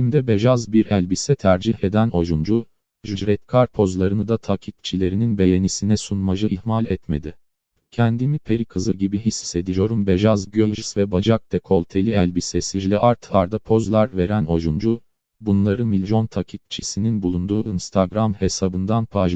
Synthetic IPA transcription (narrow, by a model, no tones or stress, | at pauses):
imd̪ɛbeʒazbiɾælʲbisɛt̪ʰæɾd͡ʒihe̞d̪æno̞ʒund͡ʒu | ʒyd͡ʒɾɛt̪kʰaɾpʰo̞zlˠaɾɯnɯd̪at̪ʰacʰik̚t͡ʃʰilʲe̞ɾininbe̞je̞nisinɛsunmaʒɯihmalʲɛt̪me̞d̪i | cʰɛnd̪imipʰe̞ɾikʰɯzɯɟibiɦisse̞d̪ijo̞ɾumbeʒazɟøʒisvɛbad͡ʒak̚d̪ɛkʰo̞lˠʲt̪ʰe̞lʲiɛlʲbisesid͡ʒlʲɛʔaɾt̪ʰhaɾd̪apʰo̞zlˠaɾveɾæno̞ʒund͡ʒu | bunlˠaɾɯmilʲjo̞nt̪ʰacʰik̚t͡ʃʰisininbulˠund̪uːinst̪ʰaɡɾamhe̞sabɯnd̪anpʰaʒ